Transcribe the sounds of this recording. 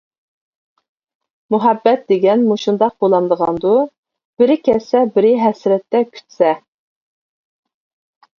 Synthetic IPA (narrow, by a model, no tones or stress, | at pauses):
muɦɛbːɛt̪̚d̪eɡʲɛnmuʃund̪ɑq̚bolˠɑnd̪əʁɑnd̪u | b̥ɪɾɪkʲʰɛsɛbɪɾɪɦɛsɾɛt̪ːɛkʲʰy̥t̪sɛ